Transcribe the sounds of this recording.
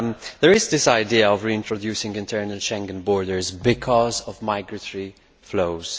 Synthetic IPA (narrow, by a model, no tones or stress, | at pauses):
d̪ɛɹɪzd̪ɪsaɪdiːəɔvɹiɪ̃ntɹɔdjuːsɪ̃ŋɡɪ̃ntʰɛɹnəlʃɛ̃ŋɡə̃nbɔːɹdəɹzbɪkʰɔzɔvmaɪɡɹətʰɔɹi | floʊz̥